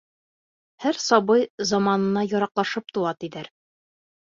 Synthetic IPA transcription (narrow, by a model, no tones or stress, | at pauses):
hæɾsɒbɤjzɑmɑnɤ̆nɑjɒɾɑqlˠɑʃɤp̚t̪uɑt̪iðæɾ